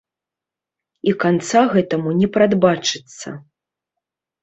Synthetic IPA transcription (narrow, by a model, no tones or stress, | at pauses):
ikant̪saɣɛt̪ɐmunʲɛpɾad̪bat͡ʂɨt̪sːɐ̰